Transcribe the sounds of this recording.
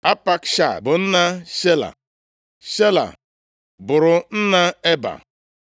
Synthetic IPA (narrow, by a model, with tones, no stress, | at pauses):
a˦pa˦kʃa̰˨bʊ˨n̩˦na˦ʃe˦la̰˨ | ʃe˦la̰˨ | bʊ˨ɾʊ˨n̩˦na˦e˦ba̰˨